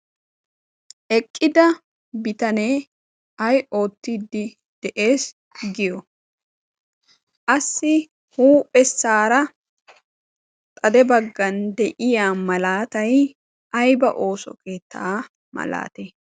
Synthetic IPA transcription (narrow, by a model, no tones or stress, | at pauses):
ʔɛkʼːɪd̪ɐ | bɪt̪ɐneː | ɐjʔo̞ːt̪ːid̪ːɪ | d̪̥ɛʔe̞ːs | ɡɪjɔ | ʔɐsːɪ | huːpʼːɛsːaːɾɐ | t̪ʼɐd̪ɛbɐɡːɐnd̪ɛʔɪjaːmɐlaːt̪ɐj | ɐjbɐʔo̞ːsɔ̰keːt̪ːaː | mɐ̰la̰ːt̪e